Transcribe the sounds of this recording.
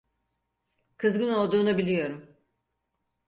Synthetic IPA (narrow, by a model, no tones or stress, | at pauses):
kʰɯzɡɯno̞lˠd̪uːnubilʲijo̞ɾum